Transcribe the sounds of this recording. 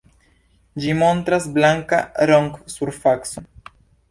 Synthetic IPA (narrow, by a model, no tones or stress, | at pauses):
d͡ʒimo̞nt̪ɾasblaŋka̰ɾoŋksuɾfakso